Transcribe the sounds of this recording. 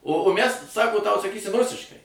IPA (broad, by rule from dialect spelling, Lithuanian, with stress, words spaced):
oː oː mʲæs ˈsɑːkoː tɐʊ sɐˈkʲiːsʲɪm ˈrʊsʲɪʃkɐɪ